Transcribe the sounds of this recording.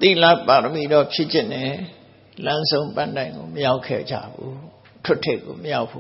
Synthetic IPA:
t̪ḭ˦˨la˦˨pa˨t̪əmi˨dɔ˦˨pʰjɪ˦ʔt͡ɕɪ̃˨nɛ˨ | lã˦nzõ˦ʊ̃mpã̰˦˨ndã˨ɪ̃ŋɡo̰˨məja˦ʊkʰɛ̰˦˨d͡ʑa̰˦˨bṵ˦ | tʰʊ˦tʰe˦˨ʔk̚ːo̰˨məja˦ʊpʰːu˦

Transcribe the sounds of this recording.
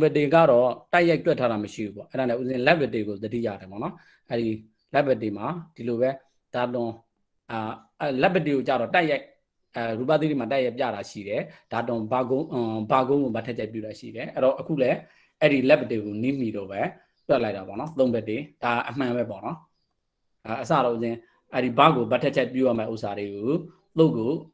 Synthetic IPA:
mbɛ˨te˨ɡa̰˦˨ɾɔ˦ta˦ɪja˦ɪtwɛ˦˨tʰːa˦ɾa˨məʃḭ˦˨u˦bɔ̰˦˨ʔɛ˦ɾa˨nɛ˦ʔu˦ɪ̃˨lɛ˦bɛ˨te˨ɡo˨d̪ədḭ˦˨ja̰˦˨ɾɛ˨pɔ̰˦˨nɔ˦ | ʔɛ˦ɾi˨ | lɛ˦bɛ˨te˨ma˨d̥i˨lo˨βɛ˦ | d̥a˨tʊ̃˨ | lɛ˦bɛ˨te˨ɣo˨t͡ɕa̰˦˨ɾɔ˦˨ta˦ɪja˦ɪʔ | ɹu˨pa˨d̪i˦e˨ma˨t̬a˦ja˦ɪ˨pja̰˦˨ɾa˨ʃḭ˦˨ɾɛ˨d̥a˨tʊ̃˨ba˨ɡõ˦ba˨ɡõ˦ʊ̃ŋɡo˨ba˦tʰːɛ˦t͡ɕʰɛ˦˨p̬jṵ˦˨ɾa˨ʃḭ˦˨ɾɛ˨ʔɛ˦ɾɔ˨ʔəkʰṵ˦˨lɛ˦ | ʔɛ˦ɾi˦˨lɛ˦bə˨te˨ɡo˨ni˦m̥i˨do̰˦˨bɛ˦ | twɛ˦ʔla˦ɪtːa˨bɔ̰˦˨nɔ˦t̪õ˦mbɛ˦˨tːe˨d̥a˨ʔə˨m̥ã˨bɛ˦pɔ̰˦˨nɔ˦˨ | ʔəs̬a̰˦˨ɾo˦˨ʔt͡ɕɪ̃˨ | ʔɛ˦ɾi˨ba̰˦˨ɡo˨ba˦tʰɛ˦ʔ̚t͡ɕʰɛ˦˨pjṵ˦ja˦˨mɛ˦ʔo˦sʰa˨ɾe˨ɡo˨˦ | t̪o˦kːo˨

